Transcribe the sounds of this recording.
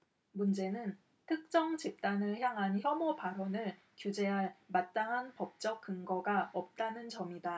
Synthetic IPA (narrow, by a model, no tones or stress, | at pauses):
mund͡ʑe̞nɯn | tʰɯk̚t͡ɕ͈ʌŋt͡ɕip̚t͈anɯɭçjaŋɦançjʌmopaɾʌnɯɭ | kjud͡ʑe̞ɦaɭmat̚t͈aŋɦanpʌp̚t͡ɕ͈ʌk̚k͈ɯŋɡʌɡaʌp̚t͈anɯnt͡ɕʌmida